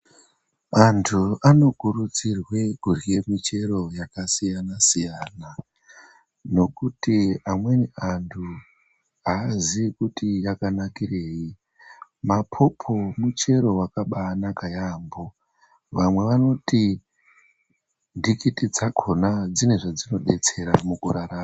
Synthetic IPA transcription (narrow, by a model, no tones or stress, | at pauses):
antʰuano̞kurut͡sirwe̞ɡʱurije̞mit͡ʃe̞ɾo̞jakasijanasijana | no̞kutiamwe̞niantʰu | aːzikutijakanakire̞ːji | mapʰo̞pʰo̞mut͡ʃe̞ɾo̞wakaɓaːnakajaːmbo̞ | ʋamwe̞ʋano̞ti | ndikitid͡zakʰo̞nad͡zine̞ʐad͡zino̞ɗe̞t͡se̞ɾamukuraɾaːma